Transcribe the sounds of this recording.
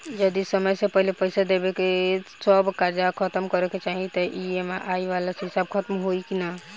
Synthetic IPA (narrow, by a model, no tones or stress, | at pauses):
d͡ʒəd̪isəməjsẽpəɦilepəjsad̪ebekesəbkaɾd͡ʒakʰət̪əmkɔɾeket͡ʃaɦit̪ɔʔiema̰ʔaiʋalasɦisabkʰət̪mɦoikina